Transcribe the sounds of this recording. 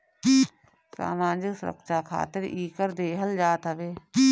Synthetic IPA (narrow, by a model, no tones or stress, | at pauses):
sa̰ːmaːd͡ʒɪksʊɾə̰kʃakʰa̰ːt̪ɪɾiːkəɾd̪eːɦəld͡ʒaːt̪ɦəʋeː